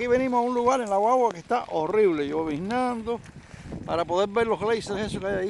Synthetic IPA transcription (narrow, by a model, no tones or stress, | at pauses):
kiβe̞nĩmosaunluɣaɾenlawawake̞st̪aʔoriβle̞joβihnãnd̪opaɾapo̞ðe̞ɾbeɾlo̞ɣlejsɾehesokeajaji